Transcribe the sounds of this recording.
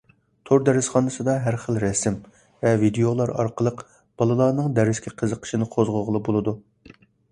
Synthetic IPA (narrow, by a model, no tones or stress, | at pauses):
t̪ʰoɾd̪ɛɾɪsχɑnɨsɨd̪ɑɦæɾχəlˠɾɛsɪm | vɛvid̪eolˠɑɾɑ̰ɾqəlˠəq | b̥ɑlˠɨlˠɑɾnɨŋd̪ɛɾɪskʲʰɛqʰəzəqʰə̥ʃinɨqʰozʁʊʁəlˠbolˠɨd̪u